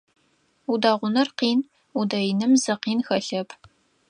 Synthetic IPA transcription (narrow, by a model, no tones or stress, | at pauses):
udaːʁʷʊnɐrqiːn | udɐjnɨmzɐqiːnxɐɬɐpʰ